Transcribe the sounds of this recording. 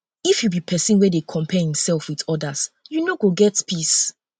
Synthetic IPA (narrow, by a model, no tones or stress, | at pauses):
ifjubipʰɛsĩnwɛdekʰɔ̃mpʰɛhĩmsɛlˠfwiðɔdasjunoɡoɡɛtpʰis